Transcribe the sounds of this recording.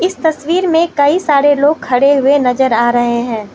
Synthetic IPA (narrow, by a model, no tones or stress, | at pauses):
ɪst̪ɐswiːɾmẽkɐisaːɾeloːɡ̚kʰɐɽeɦʊenɐzəɾaːɾɐɦeɦɛ̃ː